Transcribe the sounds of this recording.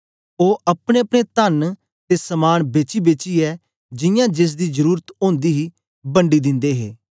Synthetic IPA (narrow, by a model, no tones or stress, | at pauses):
oːʔɐpɽeːɐpɽ̃eːt̪ən | t̪esəmaːnbeːt͡ʃiːbeːt͡ʃiːɛː | d͡ʒɪ̃jãːd͡ʒeːs̬d̪iːzəɾuːɾət̪õːnd̪iːɦiː | bə̃ɳɖiːd̪ɪ̃nd̪eːɦeː